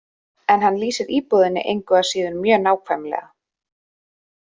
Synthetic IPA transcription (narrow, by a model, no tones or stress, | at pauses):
ɛnɦanːliːsɪɾiːpɔðɪnːɪ̰ʔejŋkʏasiːðʏnmjœːnaːwkʰvɛmlɛ̰ɣa